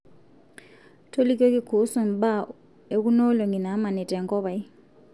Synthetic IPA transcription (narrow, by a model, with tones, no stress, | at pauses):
tʰo˦li˦k̬ʼe˦k̬ʼi˦kʰu˨˦su˦˨mɓa˦ | e˨k̬u˦nɔ˦lɔ˨ŋi˨na˨˦ma˨nɛ˨tʼɛ˨ŋɡʼɔ˦ɓa˨i˦